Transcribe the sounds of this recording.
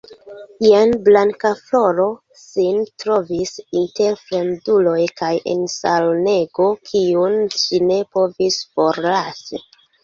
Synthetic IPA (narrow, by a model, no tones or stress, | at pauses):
ianblaŋkaflo̞ɾo̞ | sintɾo̞visinte̞ɾfɾe̞ndulo̞jkajʔḛnsalne̞ɡo̞kʰiunʃine̞po̞visfo̞ɾlasi